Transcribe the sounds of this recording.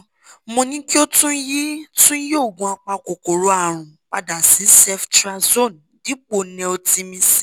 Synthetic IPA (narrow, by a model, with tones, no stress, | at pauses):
mõ˧nĩ˦ki˦o˦tũ˦ji˦tũ˦jo˦˨ɡũ˧˦a˧k͡pa˧ko˨ko˨ɾo˨˦a˦˨ɾ̃ũ˨ | k͡pa˧da˨si˨˦sɛ˧ftɾa˧zo˦˨n | di˨˦k͡po˨nɛ̃˧o˧ti˧mĩ˧si̥˦